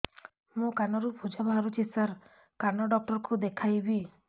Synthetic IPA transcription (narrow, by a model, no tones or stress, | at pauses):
mũkanɔɾupʰud͡ʒabʱaɦaɾut͡ʃʰisaɾ | kanɔɖɔk̚ʈɔɾɔkud̪ekʰajbi